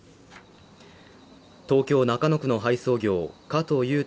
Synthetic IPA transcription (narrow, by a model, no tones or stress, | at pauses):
t̪o̞ːkʲo̞ːnakano̞kɯ̟no̞ɦaiso̞ːɡʲo̞ːkat̪o̞jɯ̟ː